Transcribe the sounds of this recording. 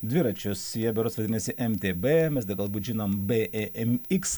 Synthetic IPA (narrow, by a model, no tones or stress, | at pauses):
d̪ʲʋʲɪɾɐt͡ʃʲʊsjiɛbʲɛɾoːsʋɐd̪ʲɪnʲɛsʲɪʔɛmt̪ʲeːbeːmʲɛsd̪ʲɐɡɐlˠbuːt̪ʲʒʲinombʲeʔɛʔɛmɪks